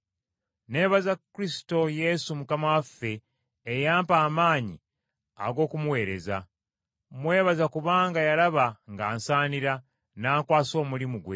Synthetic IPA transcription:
ne̞ːβazakːɾisi̥to̞je̞sumukamawafːe̞ː | jaːmpaːmaːɲḭ | a̰ɡo̞ːkumuwe̞ːɾe̞̰za̰ | mwe̞ːβazakuβaːŋɡajalaβaŋɡaːnsaːniɾa | naːŋkwaːso̞ːmulimuɡwḛ

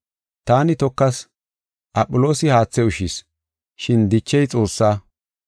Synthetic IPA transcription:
t̪aːnɪt̪ɔkːɐs | ʔɐpʼːʊlo̞ːsɪhaːt͡sːɛʊʃis | ʃɪnd̪ɪt͡ʃːɛjt͡sʼo̞ːsːaː

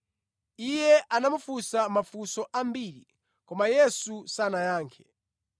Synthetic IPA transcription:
ijɛʔanamufusamafusɔʔambiɾi | kɔmajɛsusanajaːŋkʰɛ̥

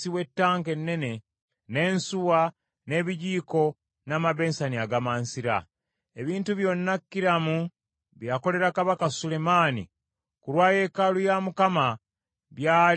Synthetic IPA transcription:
siwe̞tːaːŋke̞nːe̞ne̞ | ne̞ːnsuwa | ne̞βiɟiːko̞ | namaβe̞ːnsaniaɡamaːnsiɾa̰ | e̞βiːntuβjo̞nːakːiɾamu | βjako̞le̞ɾakaβakasule̞maːnḭ | kulwaːje̞kalujamukama | βjaː

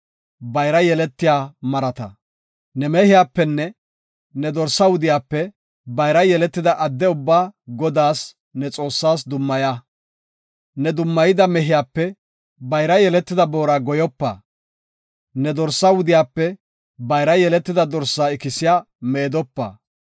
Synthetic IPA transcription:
bɐjɾɐjɛlɛt̪ːɪjaːmɐɾɐt̪ɐ̰ | nɛmɛhɪjaːpːɛnːɛ | nɛd̪ɔɾsːɐwʊd̪ɪjaːpːɛ | bɐjɾɐjɛlɛt̪ːɪd̪ɐʔɐd̪ːɛʊbːaːɡɔd̪aːs | nɛt͡sʼo̞ːsːaːs̬d̪ʊmːɐja | nɛd̪ʊmːɐjɪd̪ɐmɛɦɪjaːpːɛ | bɐjɾɐjɛlɛt̪ːɪd̪ɐbo̞ːɾaːɡɔjɔpːɐ̰ | nɛd̪ɔɾsːɐwʊd̪ɪjaːpːɛ | bɐjɾɐjɛlɛt̪ːɪd̪ɐd̪ɔɾsːaːɪkɪsɪjaː | meːd̪ɔpːɐ̰

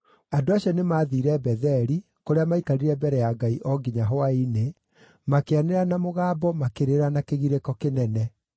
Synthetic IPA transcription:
adoaɕjɔnemaːðiːɾɛbɛðɛɾi | koɾeamaikaɾiɾɛbɛɾɛjaɡaiʔɔɡiɲaɦɔaine | makeaneɾanamoɣaːbɔmakeɾeɾanakeɣiɾekɔkenɛnɛ

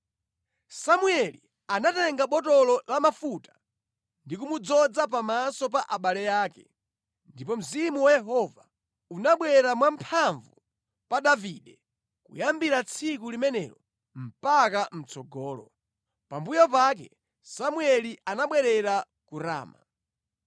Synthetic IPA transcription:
samuɛli | anatɛŋɡaɓɔtɔlɔlamafutḁ | ndik̬umud͡zɔd͡zap̬amasɔp̬aʔaɓalɛjaːkɛ̰ | ndipɔm̩zimuwajɛɦɔva | unaɓwɛɾamwam̩pʰaɱvu | paɗaviɗɛ | kṵjambiɾat͡sʰikulimɛnɛɾɔ | m̩pakam̩t͡sʰɔɡɔːlɔ̰ | pambujɔpak̬ɛ̰ | samuɛliʔanaɓwɛɾɛɾa | kuɾa̰ːma̰

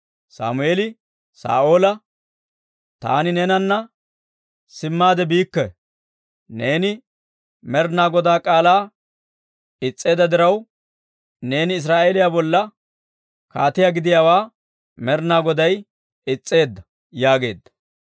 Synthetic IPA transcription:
sa̰ːmʊʔeːlɪ | sa̰ːʔo̞ːlɐ | t̪a̰ːnɪnɛnɐnːɐ | sɪmːaːd̪ɛbiːkːɛ | ne̞ːnɪ | mɛɾnaːɡɔd̪aːkʼaːlaː | ɪt͡sʼːe̞ːd̪ɐd̪ɪɾɐw | ne̞ːnɪːs̬ɾaːʔeːlɪjabɔlːɐ | kaːt̪ɪjaɡɪd̪ɪjaːwaː | mɛɾnaːɡɔd̪ɐj | ɪt͡sʼːe̞ːd̪ːɐ | jaːɡe̞ːd̪ːɐ̥

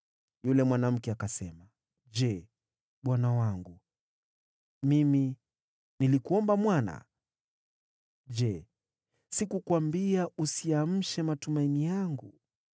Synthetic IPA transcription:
julɛmwanam̩kɛakasɛma | d͡ʒɛ | ɓwanawaŋɡu | mimi | nilikuɔmbamwana̰ | ʄɛ | sikukwambiaʔusiam̩ʃɛmatumainijaŋɡu

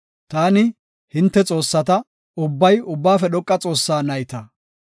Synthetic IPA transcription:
t̪aːnɪ | hɪnt̪ːɛt͡sʼo̞ːsːɐt̪ɐ | ʊbːɐjʊbːaːfɛɗɔkʼːɐt͡sʼo̞ːsːaːnɐjt̪ɐ

